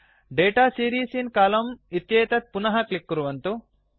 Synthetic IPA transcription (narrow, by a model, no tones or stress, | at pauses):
ɖeːʈaːsiːɾiːsinkaːlɐmit̪jeːt̪ɐt̪̚punɐɦɐklikːuɾuʋɐnt̪u